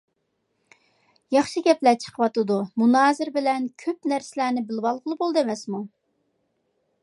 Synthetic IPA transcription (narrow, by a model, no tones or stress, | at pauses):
jɑχʃɨɡʲɛplɛt͡ʃʰə̥qʰəwɑt̪ɨd̪umunɑːzɪɾbɪlɛnkʲʰøpnæɾsɪlæːnɪbɪlwɑlˠʁəlˠɨbolˠd̪ɨemɛsmu